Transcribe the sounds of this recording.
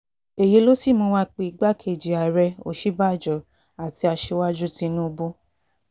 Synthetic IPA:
e˨je˨˧˦lo˦si˦˨mɔ̃˧˦wa˦k͡pe˧i˧ɡ͡ba˦kʰe˧˨d͡ʒi˨a˨ɾɛ˧o̰˨ʃi˦ba˦˨d͡ʒɔ˨ | a˨ti˧a˧ʃe˧˦wa˦d͡ʒu˦tĩ˧˦nũ˦o˧bo˦

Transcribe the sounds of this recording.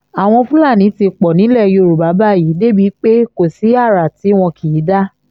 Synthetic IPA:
a˨w̃ɔ̃˧fũ˦la˦˨nĩ˨˦ti˧k͡pɔ˨nĩ˨˦lɛ˦˨˧jo˧ɾu˨ba˨˦ba˦˨ji˨˦de˦˨bi˨˦k͡pe˦ko˦˨si˨˦a˦˨ɾa˨ti˨˦w̃ɔ̃˧kʰi˨ji˨˦da˦

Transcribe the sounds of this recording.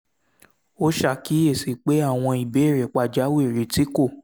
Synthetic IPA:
o˦ʃa˦˨ki˨˦e˦˨si˨k͡pe˨˦a˦˨w̃ɔ̃˧i˨be˨˦e˦˨ɾe˨k͡pa˦˨d͡ʒa˨˦wɾi˨˦ti˦ko˦˨

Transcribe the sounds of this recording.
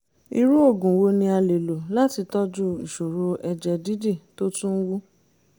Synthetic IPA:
i˧ɾu˦o˦˨ɡũ˨wo˧nĩ˧a˧le˨lo˨la˦ti˧tɔ˦d͡ʒu˦˨i˨ʃo˨ɾo˧ʔɛ˧d͡ʒɛ˧di˦de˦˨to˦tũ˦n̩˦wu˦

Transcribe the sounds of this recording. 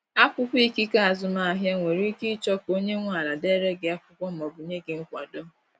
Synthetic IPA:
a˦kʊ˦kʊ˦i˦ki˦ka˦a˨zʊ˨ma˨a˨ɦja˦ŋʷe˨ɾi˦i˦ki˦t͡ʃɔ˦ko˦ɲe˦ŋʷa˦˨la˨de˦ɾe˦ɡɪ˨a˦fʊ˦kʷɔ˦m̩˦˨ɔ˨bʊ˨ɲe˦ɡɪ˨ŋ̩˦kʷa˨do˦

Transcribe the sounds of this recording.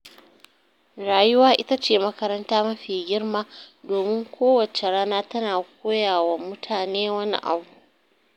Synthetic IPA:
ɽaː˨jʊ˦waː˦ʔɪ˦ta˦t͡ʃeː˨mɐ˦kɐ˦ɾɐ˦ntaː˦mɐ˦ɸiː˨ɡʲɪ˦rmaː˦doː˨mɪ˦ŋkʷoː˦wɐ˨t͡ʃe˨ɽaː˦naː˦tɐ˦naː˨k̚ʷoː˦jaː˨wɐ˦mːʊ˦tʰaː˨neː˦wɐ˦nḭ˦ʔa̰˨bu˨

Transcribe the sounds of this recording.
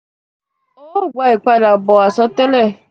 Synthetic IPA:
o˦˨ɡʷa˦i˨k͡pa˦da˨bɔ˨a˨sɔ˦tɛ˦lɛ˦˨

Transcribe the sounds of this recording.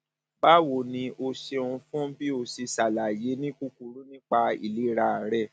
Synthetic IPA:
ba˦wo˨nĩ˧ʔo˧ʃe˧ũ˧fũ˦bi˦o˧˨si˧sa˨la˨je˨˦nĩ˦ku˦ku˧ɾu˦nĩ˦k͡pa˧i˨li˨˦ɾa˧˨ɾɛ˦˨

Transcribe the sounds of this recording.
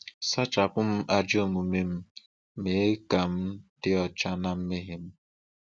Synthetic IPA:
sa˦t͡ʃa˨pʊ˦m̩˦ʔa˦d͡ʒo˦˨mu˨me˦m̩˦ | me˨˦e˦ka˨m̩˦d̥ɪ˦ɔ˨t͡ʃa˦na˦m̩˦me˦ɦɪ˦m̩˦

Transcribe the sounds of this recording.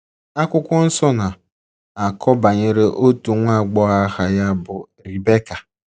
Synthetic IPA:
a˦kʷʊ˦kʷɔ˦n̩˦sɔ˦na˨ | a˨kʰɔ˦ba˨ɲe˨ɾe˦ʔo˦tu˨ŋʷa˦˨ɡ͡bɔ˦a˦ha˨ja˦bʊ˨ | ɾi˨be˦ka˨

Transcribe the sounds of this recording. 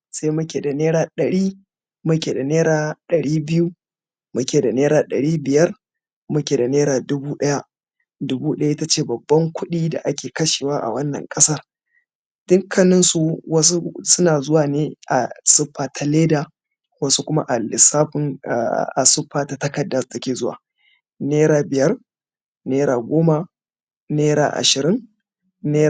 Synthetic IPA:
sa˦jmʊ˦kʲeː˨da˨neː˦ɾaː˦˨ɗɐ˨ɽiː˦ | mʊ˦kʲeː˨da˨neː˦ɾaː˦ɗɐ˨ɽiː˦bɪ˦ju˦ | mʊ˦kʲeː˨da˨neː˦ɾaː˨ɗɐ˨ɽiː˦bɪ˨jɐ˦r | mʊ˦kʲeː˨da˨neː˦ɾaː˨dʊ˦buː˦ɗɐ˦ja˦ | dʊ˦buː˦ɗɐ˦ja˦ʔɪ˦ta˦t͡ʃeː˦˨bɐ˨bːɐ˦ŋkʷʰʊ˦ɗiː˦da̰˨ʔa˦kʲeː˨kɐ˦ʃeː˨waː˦ʔa̰˨wɐ˦nːɐ̰˨ŋkʼɐ˦sɐ˦r | d̥ʊ˦ŋkʰːɐ˦nɪ˦nsu˨wɐ˦su˦sʊ˦naː˨zʊ˦waː˨neː˦ʔa˨sʊ˦ɸːaː˨tʰa˦leː˦da˨ | wɐ˦su˦kʷʊ˦ma̰˦ʔa˨lɪ˨saː˦ɸɪ˦n̰˨a̰˨sʊ˦ɸːaː˦ta˦tɐ˦kɐ˨dːa˨stɐ˦kʲeː˨zʊ˦wa̰ː˨ | neː˦ɾaː˨bɪ˨jɐ˦r | neː˦ɾaː˨ɡʷoː˦ma˦ | neː˦ɾa̰ː˨ʔa̰˨ʃɪ˨ɾɪ˦ŋ | neː˦

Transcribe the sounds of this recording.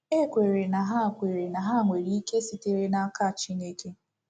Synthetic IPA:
e˦kʷe˨ɾe˨na˨ɦa˦˨kʷe˨ɾe˨na˨ɦa˦˨ŋʷe˨ɾi˦i˦ke˦si˨te˨ɾe˦na˦ka˦˨t͡ʃi˦ne˦ke˦

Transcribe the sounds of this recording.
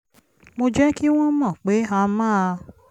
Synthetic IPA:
mo˧d͡ʒɛ˦ki˦w̃ɔ̃˦mɔ̃˦˨k͡pe˨˦a˧mãː˦˧

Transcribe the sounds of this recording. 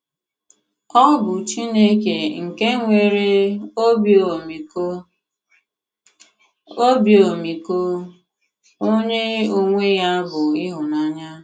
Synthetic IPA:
ɔ˦bʊ˨t͡ʃi˦ne˦ke˨ŋ̩˨ke˦ŋʷe˨ɾe˦o˦bo˨mi˨ko˦ | o˦bjo˨mi˨ko˦ | o˦ɲe˦o˦ŋʷe˦ja˦bʊ˨ɪ˦ɦʊ˨na˦ɲa˦

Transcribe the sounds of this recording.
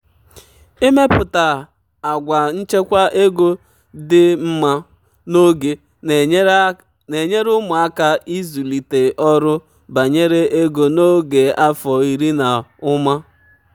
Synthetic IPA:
e˦me˦pʊ˨ta˨ | a˨ɡʷa˨n̩˦t͡ʃe˦kʷa˦ʔe˦ɡo˦ | dɪ˦m̩˦ma˦ | no˦ɡe˨ | ne˨ɲe˦ɾʊ˦mʊ˨a˦ka˦ʔi˦zu˨li˨te˨ʔɔ˦ɾʊ˦ | ba˨ɲe˦ɾe˦ʔe˦ɡo˨no˦ɡe˨a˦fɔ˨i˨ɾi˦na˨ʊ˦ma˦

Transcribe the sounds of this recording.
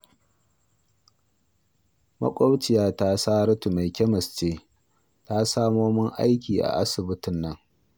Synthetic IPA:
mɐ̰˦kʷʼo˦t͡ʃɪ˨jaː˦ta˦saː˦ɾɐ˦tu˨ma˨jkʲɛ˦mɐ˨st͡ʃeː˦ | ta˦saː˦moː˦mɪ˦ŋʔa̰˦jkʲiː˨ʔa̰˨ʔa˦sɪ˨bɪ˦tʊ˦nːɐ˦ŋ

